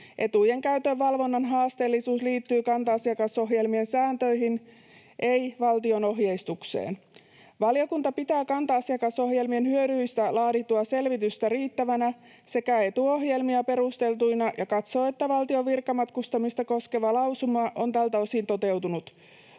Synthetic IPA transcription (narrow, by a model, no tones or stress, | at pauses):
ʔe̞t̪uje̞ŋkæyt̪ø̞ʋːɑlʋo̞nːɑnɦɑːst̪e̞ːlːisuːsliːt̪ːyːkɑnt̪ɑɑsiɑkɑso̞ɦje̞lmie̞nsæːnt̪ø̞jɦin | ʔe̞iʋɑlt̪io̞no̞ɦjejst̪uksḛːn | ʋɑljokunt̪ɑpit̪æːkɑnt̪ɑɑsiɑkɑso̞hje̞lmienhyøɾyjst̪ælɑːɾit̪ːuɑse̞lʋit̪yst̪æɾiːt̪ːæʋænæ | se̞kæe̞t̪uo̞ɦje̞lmiɑpe̞rust̪e̞lt̪ujnɑjʔɑkɑt̪so̞ːe̞t̪ːæʋɑlt̪ioʋirkːɑmɑt̪kust̪ɑmist̪ɑko̞ske̞ʋɑlɑwsumɑʔo̞nt̪ælt̪æo̞sint̪o̞t̪e̞wt̪unut̪